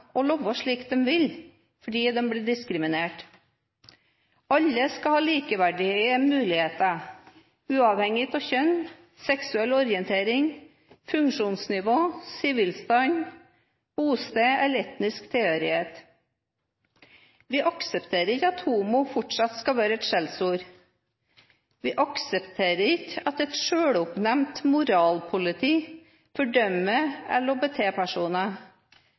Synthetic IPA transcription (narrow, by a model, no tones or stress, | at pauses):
ɔlɔʋːəʂɭiːkd̪ɛmʋɪl | fɔɖiːd̪ɛmbliːɖɪskɾɪmɪneːʈ | ɑlːəskɑhɑːliːkəʋæɖɪhəmʉːlɪheːt̪əɑ | ʉːɑʋhɛŋɪt̪ʰɔçœn | sɛksʉɛlːɔɾɪɛnt̪ʰeːɾɪŋ | fʉŋkʂuːnsnɪʋoːsɪʋɪlst̪ɑn | b̥uːst̪eːɛlɛt̪nɪskt̪ʰeøːɾɪheːt̪ | ʋɪʔɑksəpt̪ʰeːɾəɾɪkːɑt̪huːmʊfɔʈʂɑt̪skɑʋæːɾəɛt̪ʃɛlsuːɾ | ʋɪːʔɑksəpt̪ʰeːɾəɾɪkɑt̪ɛt̪ʃøːɽʊpnɛmt̪mʊɾɑːlpʰʊlɪt̪ʰiː | fɔɖœməɛ̰lɔbət̪ʰeːpʰæʂuːnə